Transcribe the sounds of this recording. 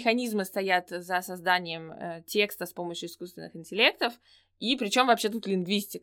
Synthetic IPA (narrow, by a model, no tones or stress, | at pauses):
ɪxɐnʲizmɨst̪ɐjat̪zəsɐzd̪anʲɪjəmə̰tʲe̞kst̪əspo̞məɕjʊɪskust̪vʲɪ̰nːɨ̰xɪnʲtʲɪlʲe̞k̚t̪əf | ipɾʲɪt͡ɕo̞mvɐpɕe̞t̪ut̪lʲɪnɡvʲisʲtʲɪk